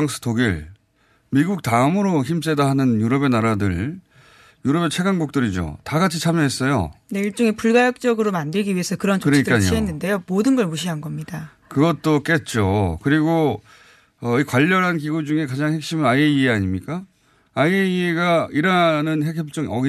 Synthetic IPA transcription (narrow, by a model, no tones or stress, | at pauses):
ŋsʰɯ̥tʰoɡiɭ | miɡuk̚taɯmɯɾoçimt͡ɕ͈edaɦanɯnjuɾʌbe̞naɾadɯɭ | juɾʌbet͡ɕʰe̞ɡanɡuk̚t͈ɯɾid͡ʑo̰taɡat͡ɕʰit͡ɕʰamjʌɦe̞s͈ʌjo̰ne̞iɭt͡ɕ͈oŋepuɭɡajʌk̚t͡ɕ͈ʌɡɯɾomandɯɭɡiɥie̞sʰʌkɯɾʌnt͡ɕoɯɾʌɲikk͈aɲioɦenːɯnde̞jomodɯnɡʌɭmuɕʰiɦanɡʌmɲida | kɯɡʌt̚t͈ok͈e̞t̚t͡ɕ͈okɯɾiɡo | ʌikwaʎːʌɾɦankiɡud͡ʑuŋe̞kad͡ʑaŋhe̞k̚ɕ͈imɯaieieaɲimɲik͈a | aieieɡaiɾanɯnɦekʰeʌp̚t͡ɕ͈ʌŋʔʌɡi